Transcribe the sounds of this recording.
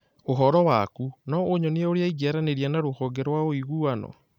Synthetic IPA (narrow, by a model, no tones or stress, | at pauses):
oɦɔɾɔwakunɔoɲɔneɛoɾeaiɡaɾaneɾianaɾohɔɡeɾwaoiɣuanɔ̰